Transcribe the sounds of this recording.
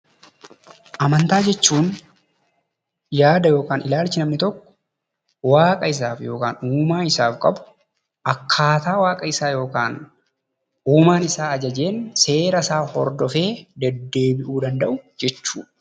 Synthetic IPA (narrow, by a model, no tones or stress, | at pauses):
ʔɐmɐnt̪aːd͡ʒɛt͡ʃːuːn | jaːd̪ɐjo̞ːkaːnɪlaːlt͡ʃɪnɐmnɪt̪ɔkːɔ̥ | waːkʼɐɪs̬aːfjo̞ːkaːnuːmaːɪsaːfkʼɐ̰bʊ̥ | ʔɐkʰːaːt̪aːwaːkʼɐɪsaːjo̞ːkaːn | uːmaːnɪsaːɐd͡ʒɐd͡ʒe̞ːnse̞ːɾɐsaːhɔ̰ɾd̪ɔfe̞ːd̪ɛd̪ːe̞ːbɪʔuːd̪ɐnd̪ɐʔʊd͡ʒɛt͡ʃːṵːᶑ